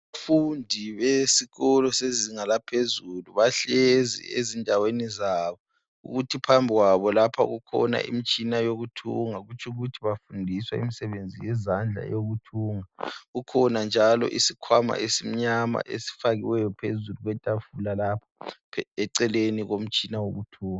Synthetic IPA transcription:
afundʱiβesiɣɔlɔseziŋalapʰezuluβaɬɛzḭḛzindʱawenizaːβɔ | ṵɣutʰipʰambʱiɣwaβɔlapʰa̰ɣukʰɔ̰na̰ʔḭmit͡ʃʼinajoɣutʰṵŋaɣut͡ʃʰuɣutʰiβafundʱiswaḭmisɛβend͡zʱijɛzand͡ɮʱa̰joɣutʰuːŋaɣukʰɔnand͡ʒʱalɔ̰ʔisikʰwama̰ʔesim̩ɲama̰ʔḛsi̥faɣiwɛjɔpʰezuluɣwɛtʼafulalapʰḁɛǀɛleniɣom̩t͡ʃʼinawoɣutʰuːŋa

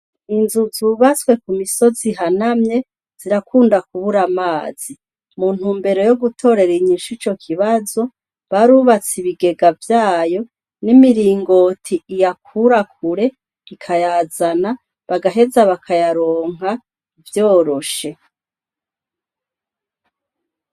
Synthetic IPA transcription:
inzuzuːβat͡swe̞kumiso̞ziɦanamɲe̞ | z̥iɾakʰuːndak̚uβuɾamaːz̥i | mun̥huːmbe̞ɾo̞jo̞ɡutʰo̞ɾe̞ɾiɲiʃit͡ʃo̞kʰiβazo̞ | βaɾuːβat͡siβiɡe̞ɡavjaːjo̞ | nimiɾiːŋɡo̞tʰiʔijakʰuɾak̚ʰuɾe̞ | ikʰajaːzana | βaɡaɦe̞zaβakʰajaɾo̞ːŋ̥ɦa | vjo̞ːɾo̞ʃe̞

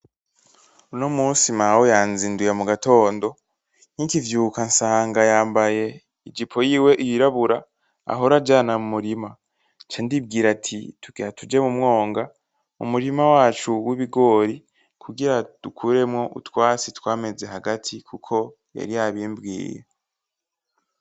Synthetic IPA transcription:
uno̞muːnsimawojaːnzindujamuɡato̞ːndo̞ | n̥ikivjuːkansaːŋɡajaːmbaje̞ | id͡ʒipʰo̞jiːwe̞ʔijiɾaβuɾa | a̰ɦo̞ɾad͡ʒaːnamumuɾima | t͡ʃendib̚ɡiːɾatʰḭtuɡiatʰud͡ʒe̞mumŋo̞ːŋɡa | ṵmuɾimawaːt͡ʃuwiβiɡo̞ɾi | kʰuɡiɾad̥ukʰuɾe̞mŋo̞ʔṵtwaːsitwaːme̞ze̞ɦaɡatʰikʰukʰo̞ | ja̰ɾijaβiːmbɡḭːjḛ

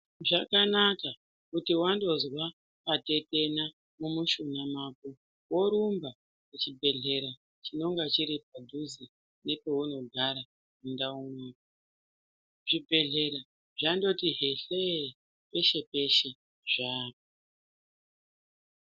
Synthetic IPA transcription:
ʐakanaka | kutiwando̞zwa | pate̞te̞na | mumuʃunamaːpo | wo̞ɾumba | ket͡ʃibʱe̞ɮe̞ɾa | t͡ʃino̞ŋɡat͡ʃiɾip̚adʱuzi | ne̞pe̞ɦuno̞ɡʱaɾa | mundaunaːka | ʐibʱe̞ɮe̞ɾa | ʐando̞tiɦeɬe | pe̞ʃe̞pe̞ʃe̞ | ʐaːp̚o

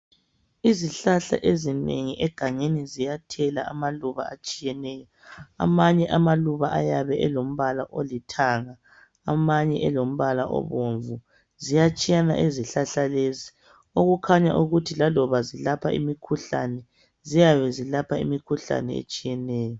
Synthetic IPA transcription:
iziɬaɬa̰ʔezinḛŋiʔɛɡ̥ʱaŋenizijatʰɛlaʔamaluβa̰at͡ʃʼijɛnɛːjɔ | a̰maɲɛʔamaluβaʔajaβɛʔɛlom̩βalaʔolitʰaŋaː | maɲɛʔɛlom̩βala̰ʔɔ̰βoɱvu | zijat͡ʃʼijana̰ʔeziɬaɬalezi | oɣukʰaɲa̰ʔuɣutʰilalɔβazilapʰaʔḭmikʰuɬa̰nɛ | zijaβɛzilapʰaḭmikʰuɬa̰nɛ̰ḛt͡ʃʼijɛnɛːjɔ

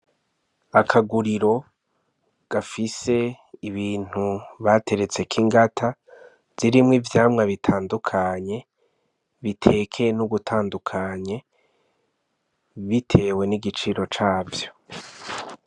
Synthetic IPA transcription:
akʰaɡuɾiɾo̞ | ɡ̥afise̞ | iβiːn̥huβate̞ɾe̞t͡se̞kʰiŋɡatʰa | z̥iɾimŋivjaːmŋaβitʰaːndukʰaɲe̞ | βitʰe̞kʰe̞nuɡutʰaːndukʰaɲe̞ | βitʰe̞ːwe̞niɡit͡ʃiɾo̞t͡ʃaːvjo̞̥

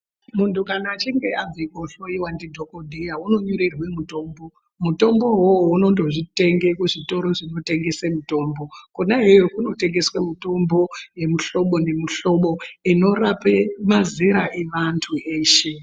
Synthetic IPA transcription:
muntʰukanaːt͡ʃiŋɡe̞ad͡zikoɬo̞iwandidʱokodʱejauno̞ɲoɾerwe̞muto̞ːmbo̞ | muto̞mbo̞ɦowuno̞ndo̞ʐite̞ŋɡe̞kuʐito̞ɾo̞ʐino̞te̞ŋɡe̞semuto̞ːmbo̞konaɦejokuno̞te̞ŋɡe̞swamuto̞mbo̞je̞muɬo̞ɓo̞ne̞muɬo̞ɓo̞ino̞rapemaziɾaʔeʋantʰuʔeːʃe̞

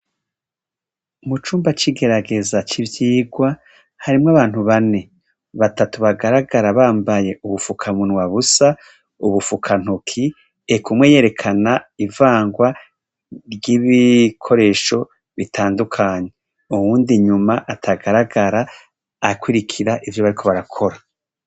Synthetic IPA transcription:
mut͡ʃuːmbat͡ʃiɡe̞ɾaɡe̞zat͡ʃivjiːɡwa | haɾimŋaβaːn̥huβane̞ | βatatuβaɡaɾaɡaɾaβaːmbaje̞ʔuβufukʰamunŋwaβusa | uβufukʰan̥hukʰi | ekumweje̞ɾe̞kʰanaivaːŋɡwa | ɾjiːβikʰo̞ɾe̞ːʃo̞ | βitʰaːndukʰaːɲ̞e | uwuːndiɲumaʔatʰaɡaɾaɡaɾaː | kwiɾikʰiɾaʔivjoβaɾikʰo̞βaɾakʰo̞ɾa

